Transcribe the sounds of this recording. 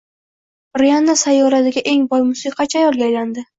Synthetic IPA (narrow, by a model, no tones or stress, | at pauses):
ɾijanːasajːɒɾat̪ɪɡʲaʔe̞ŋbɒjmʊsiqʰɑt͡ʃʰajɒlˠɡʲajland̪ɪ